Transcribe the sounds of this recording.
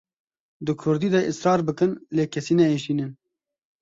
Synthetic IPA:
d̪ɨkʰʊɾd̪iːd̪ɛʔɨsɾɑːɾbɨkɨnleːkʰɛsiːnɛeːʃiːnɨn

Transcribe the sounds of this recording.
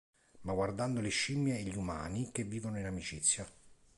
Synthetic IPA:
maɡward̪and̪oleʃimːjeːʎːiuma̰ːnik̟evːiːvonoinamit͡ʃit̪sːja

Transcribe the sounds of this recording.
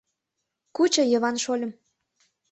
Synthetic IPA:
kut͡ɕɤ̆jɤ̆βɑnʃolʲə̆m

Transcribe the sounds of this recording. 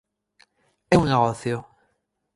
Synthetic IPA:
ɛuŋneɣoθjo

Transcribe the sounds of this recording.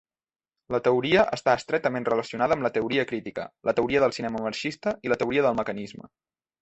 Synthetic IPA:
lət̪əuɾiəʔəst̪aːst̪ɾɛt̪əmenrələsiunaðəːmlət̪əuɾiəkɾit̪ikə̰lʔət̪əuɾiəðəlˠsinɛməməɾʃist̪əilət̪əuɾiəðəlˠməkənizmə̰

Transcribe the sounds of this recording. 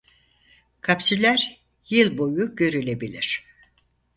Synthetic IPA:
kʰapsilʲæɾ | jɯlˠbojuɟø̞ɾylʲebilʲiɾ̝̥

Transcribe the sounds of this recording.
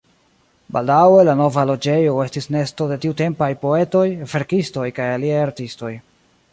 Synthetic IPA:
baldawe̞lano̞valo̞d͡ʒe̞jo̞e̞stisne̞sto̞de̞tiute̞mpajpo̞e̞to̞jve̞ɾkisto̞jkajaliajaɾtisto̞j

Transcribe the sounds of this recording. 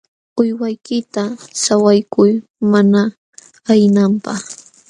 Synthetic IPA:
ʊjwajkɪt̪asawajkʊjmana | ajnampɑχ

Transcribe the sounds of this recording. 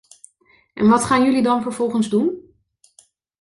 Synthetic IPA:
ʔɛnʋɑtχaːnjɵlidɑnvəɹv̥ɔlˠχənzdun

